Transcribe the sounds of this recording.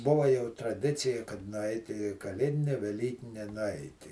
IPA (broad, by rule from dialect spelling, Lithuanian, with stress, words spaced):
ˈbʊʋɐ jɛʊ ɪ trɐˈdʲɪt͡sʲɪjɛ kɐt nʊˈɐɪtʲ iː kɐˈlʲeːdʲɪnʲɛ ʋʲɛˈlʲiːkʲɪnʲɛ nʊˈɐɪtʲɪ